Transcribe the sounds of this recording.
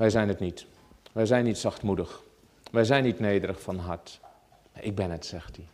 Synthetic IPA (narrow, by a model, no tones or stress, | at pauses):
ʋɛjzɛjnətnit | ʋɛjzɛjnːitsaxtmudəx | ʋɛjzɛjnːitneːdəɾəxfɔnɦat | maʔɪk̚bɪnətsɛxti